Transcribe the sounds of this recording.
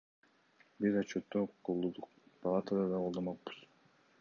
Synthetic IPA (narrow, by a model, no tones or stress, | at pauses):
bizɑt͡ʃʰot̪ːoqʰolˠːud̪uq̚pʰɑlˠat̪əd̪ad̪ɑolˠd̪ɑmɑq̚bɯ̥z